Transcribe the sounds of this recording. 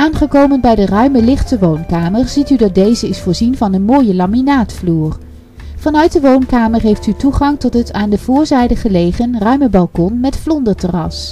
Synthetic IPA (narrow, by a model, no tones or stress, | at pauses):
aːnχəkowmənbɛjdərœɥməlɪχtəʋownkaːməɹz̥itydɑt̚dejzəɪsfʊːɹzinvɑnənmoːjəlɑminaːtfluːr | v̥ɑnœɥt̚dəʋownkaːməɹɦejftytuχɑŋtɔtɦətaːndəv̥ʊːɹzɛjdəχəlejχənrœɥməbɑlˠkɔnmɛtflɔndəɹtərɑ̰s